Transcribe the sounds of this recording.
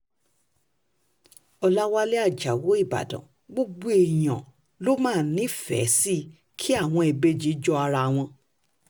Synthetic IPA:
ɔ˧la˦wa˧le˦a˦˨d͡ʒa˨wo˨˦i˦˨ba̰˨dɔ̰̃˨ | ɡ͡bo˦ɡ͡bo˦e˨j̃ã̰˨ | lo˦mãː˦˨˦nĩ˦fɛ̰˨˦si˦ | kʰi˦a˦˨w̃ɔ̃˧e˨be˧˦d͡ʒi˨˦d͡ʒɔ˦a˧ɾa˧˨w̃ɔ̃˧

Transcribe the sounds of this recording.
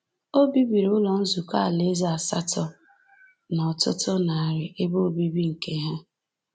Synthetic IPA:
o˦bi˦bi˨ɾʊ˦lɔ˨n̩˦zu˨ka˦a˨le˦za˨a˨sa̰˦tɔ˦ | nɔ˨tʊ̰˦tʊ˦na˨a˨ɾɪ˨ʔe˦bo˦o˨bi˦bi˦ŋ̩˨ke˦ɦe˦

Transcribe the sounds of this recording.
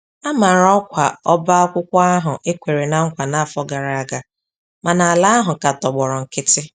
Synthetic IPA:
a˦ma˨ɾɔ˦kʷa˨ɔ˦ba˦ɔ˦kʷʊ˦kʷa˦a˦ɦʊ˨ʔe˦kʷe˨ɾe˨na˦ŋ̩˦kʷa˨na˨a˨fɔ˦ɡa˨ɾa˨a˨ɡa˨ | ma˨na˨a˨la˦a˦ɦʊ˨ka˨tɔ˨ɡ͡bɔ˨ɾɔ˨ŋ̩˨kɪ˦tɪ˦

